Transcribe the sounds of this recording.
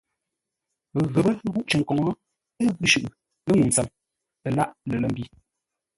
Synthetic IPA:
ɣə˨bə˦ɣu˦ʔt͡ʃə˨ŋ˨kɔ˨ŋɔ˦ | ə˦ɣʉ˦ʃʉ˨ʔ | lə˦ŋu˨n̩˨t͡sə˨m | ə˨la˦˨ʔlə˨lə˦˨m˦bi˦˨

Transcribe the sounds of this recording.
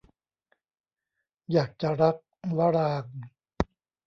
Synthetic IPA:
jaː˨˩k̚t͡ɕa˨ɾa˦˥k̚wa˦˥ɾaː˧ŋ

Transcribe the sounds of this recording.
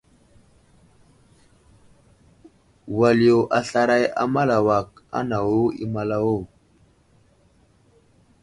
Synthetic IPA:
wa˨li˨jo˨ʔa˨ɬa˦ɾa˦ja̰˦ma˦la˨wa˨k̚a̰˦na˨wo˦ḭ˦ma˨la˦wo˦˨

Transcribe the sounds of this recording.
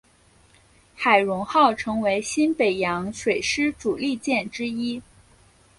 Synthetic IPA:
xa˨˩ɪɻʊ˧˥ŋxɑ˥˩ʊʈ͡ʂʰɤ˧˥ŋwe˧˥ɪɕi˥npe˨˩ɪjɑ˧˥ŋʂwe˨˩ɪʂɻ̩˥ʈ͡ʂu˨˩li˥˧t͡ɕjɛ˥˩nʈ͡ʂɻ̩˥i˥

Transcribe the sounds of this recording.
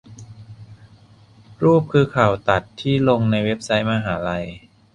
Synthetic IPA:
ɾuː˥˩p̚kʰɯː˧kʰaː˨˩wt̪a˨˩t̪ʰːiː˥˩lo˧ŋna˧jwe˦˥p̚sa˦˥jmaː˧ɦaː˩˦la˧j

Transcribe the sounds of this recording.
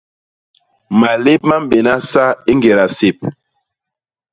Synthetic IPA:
ma˨le˦p̚ma˦m˦be˨na˦sa˦i˦ŋɡe˨ɾa˨se˨p̚

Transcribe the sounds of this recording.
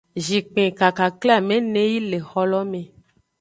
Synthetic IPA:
ʒi˨k͡pẽ˨ka˨ka˨klɛ˦a˦˨mẽ˨˦nẽ˦ji˦le˨xɔ˦lɔ˦mẽ˨

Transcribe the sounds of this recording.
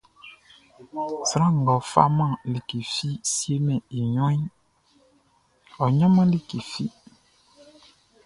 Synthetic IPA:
sɾã˦ŋ̩˨ɡɔ˨fa̰˦mã˦˨li˨ki˨fi˦si˦e˦mɛ̃˨i˨ɲɔ̃˦ĩ˦ | ɔ˨ɲã˦mã˦li˦ki˨fi˦

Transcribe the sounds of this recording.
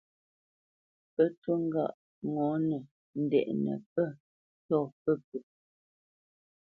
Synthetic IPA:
pə˦tə˦ŋ̩˦ɡa̰˦˨ʔ | ŋɔ˨˦nə˨ | n̩˨dɛ̰˨ʔnə̰˨pə˦˨ | tɔ˦˨pə˦p̚ə˨

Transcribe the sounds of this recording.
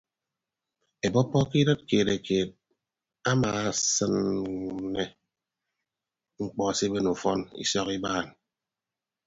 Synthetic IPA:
e˨bɔ˦pːɔ˦ki˦ɾɨ˦t̚keː˨ɾe˨kʰeː˨t̚ | a˦maː˨a˨sɨ˦nː | e˨ | ŋ͡m̩˨k͡pɔ˨si˦be˦nu˨fɔ˦nḭ˦sɔ˦ki˦baː˦˨n

